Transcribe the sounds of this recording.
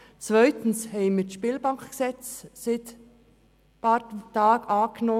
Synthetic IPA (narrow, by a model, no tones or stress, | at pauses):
t͡svœʏt̪n̩shɛɪmɪʃpiːlbɑŋkksɛt͡ssɪt̪ | pɑtɑːɡɑːɡ̥ənɔ